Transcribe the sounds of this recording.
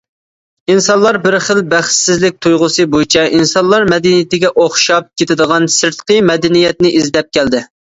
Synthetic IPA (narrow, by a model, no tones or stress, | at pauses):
insɑnlˠɑɾbɪɾχəlbæχsɪzlɪk̚ʲt̪ʰujʁʊsɨbojt͡ʃʰɛʔinsɑnlˠɑɾmɛd̪ɛnijɪt̪ɪɡʲɛʔoχʃɑp̚kʲʰet̪ɪd̪əʁɑnsɪɾt̪qəmɛd̪ɛnijɛt̪nɪʔizlɛp̚kʲɛld̪ɪ